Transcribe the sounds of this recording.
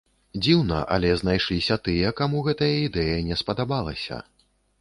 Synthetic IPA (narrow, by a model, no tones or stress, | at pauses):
d͡zʲiwnɐ̰ʔɐ̰lʲɛznajʂlʲisʲɐt̪ɨjɐkamuɣɛt̪ɐjɐid̪ɛjɐnʲɛspɐd̪abalˠɐ̰sʲɐ̰